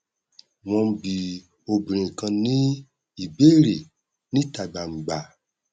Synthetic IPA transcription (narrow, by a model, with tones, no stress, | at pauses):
w̃ɔ̃˧˦bi˨ | o˨bĩ˨ɾ̃ĩ˨kã˧nĩ˦ | i˨be˦˨ɾe˨ | nĩ˦ta˨ɡ͡ba˨ŋ͡m̩˨ɡ͡ba˨